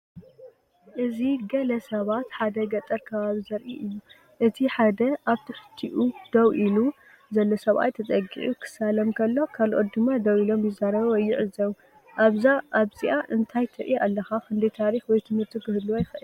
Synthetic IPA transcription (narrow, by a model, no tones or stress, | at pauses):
ʔɨziɡɐlɐsɐβat̪ħad̪ɐɡɐt̪ʼɐɾkʰɐβaβizɐɾʔiʔɨjːu | ʔɨt̪ʰiħad̪ɐʔaβt̪ʰɨħɨ̥t̪ʰːiʔud̪̥ɐwʔilu | zɐlːosɐβʔa̰jt̪ʰɐt͡sʼɐɡḭʕukʰɨ̥salɐmkʰɐlːo̞kʰalʔot̪̚d̪ɨmːad̪ɐwilo̞mjɪzaɾɐβɐwɔjːɪʕɨzɐw | ʔaβzaʔaβziʔaʔɨnt̪ʰajt̪ʰɐɾʔialːɐxakɨnd̪ijt̪ʰaɾixwɔjt̪ʰɨmhɨɾt̪ʰikɨhɨd̪ːuwajɪxʔɨl